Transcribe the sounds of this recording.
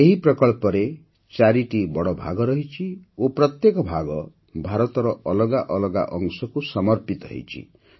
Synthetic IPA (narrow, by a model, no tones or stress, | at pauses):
eɦiprɔkɔɭpɔɾe | t͡ʃaɾiʈibɔɽɔbʱa̰ɡɔɾʌɦit͡ʃʰioprɔt̪jekɔbʱaɡɔ | bʱaɾɔt̪ɔɾɔɔlɔɡaʔɔlɔɡa̰ʔɔŋsɔkusɔmɔɾpit̪ʌɦḛt͡ʃʰḭ